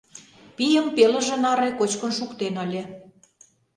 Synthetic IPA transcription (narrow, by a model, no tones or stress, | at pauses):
pijəmpelə̆ʒĕnɑɾejkot͡ɕkə̆nʃukt̪enɤlʲĕ